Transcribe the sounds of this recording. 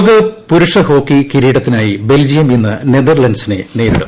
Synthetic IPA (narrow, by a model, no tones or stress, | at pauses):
ɣɨpuɾuʂɐho̞ːkːikiɾiːɽɐt̪ːinaːjibe̞ld͡ʑijɐmenːɨned̪ɐrlɐnsine̞̰ne̞ːðiɽɐ̰m